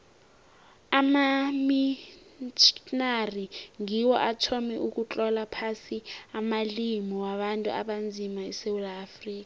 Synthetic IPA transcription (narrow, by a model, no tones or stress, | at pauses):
amami | t͡ʃnariŋiwɔʔatʰɔmiʔuk̬ʼut͡ɬʼɔlapʰasiamalimiwaɓantʼṵa̰ɓand͡zʱimaɛ̰sewulaːfriːk̬a